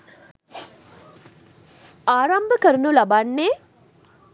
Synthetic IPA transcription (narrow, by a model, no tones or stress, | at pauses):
aːɾambəkəɾənulabanːeː